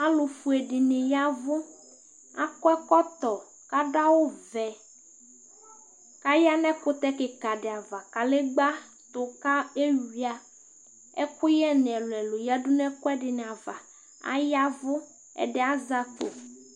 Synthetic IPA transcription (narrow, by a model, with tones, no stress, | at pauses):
a˦lo˨fu˨ɛ˨ɖɪ˨nɪ˨ja˦vʊ˦ | a̰˦kɔ˦ɛ˦kɔ˦t̪ɔ˨ | ka˦ɖa˦wo˦vɛ˨ | ka˦ja˦nɛ̃˦kʊ˦t̪ɛ˦kɪ˨ka˨ɖɪ˨a˨va˨ka˨le˦ɡ͡ba˦ | t̪ʊ˨ka˦e˦wi˨˦a˦ | ɛ̰˦kʊ˦jɛ˦n˨ɛ˨lʊ˨ɛ˨lo˨ja˦ɖu˦nɛ̃˦kɔ˦ɛ˦ɖɪ˨nɛ˨a˨va˨ | a̰˦ja˦vʊ˦ | ɛ̰˨ɖɪ˨˦a˦za˨t̪o̰˨